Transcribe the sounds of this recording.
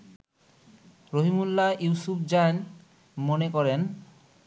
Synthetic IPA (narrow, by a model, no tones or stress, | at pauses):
ɾoɦimulːajuwsupʰd͡ʑan | monekɔɾen